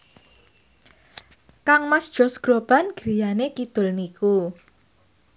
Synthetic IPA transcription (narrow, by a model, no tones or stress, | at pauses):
kaŋmasd̥ʒ̥ɔ̤sɡ̥ɾob̥a̤nɡ̥ɾi̤janekid̪̥ʊlniku